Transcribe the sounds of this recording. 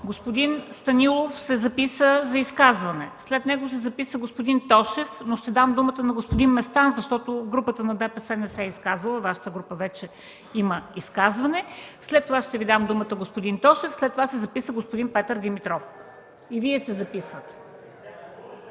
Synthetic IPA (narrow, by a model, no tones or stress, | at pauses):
ɡospod̪inst̪ɐnʲilˠofsɛzɐpisəzɐiskazvɐnɛslɛt̪nɛɡʊsɛzɐpisəɡospod̪int̪ɔʃɛfnoʃt̪ɛd̪amd̪umət̪ənɐɡospod̪inmɛst̪anzɐʃt̪ɔt̪oɡɾupət̪ənɐd̪ɛpəsɛnɛsɛiskazvɐlˠəvaʃə̥t̪əɡɾupəvɛt͡ʃɛ | iməiskazvɐnɛslɛt̪ːovaʃt̪ɛvid̪amd̪umət̪əɡospod̪int̪ɔʃɛfslɛt̪ːovasɛzɐpisəɡospod̪inpɛt̪əɾd̪imit̪ɾɔf | iviɛsɛzɐpisvət̪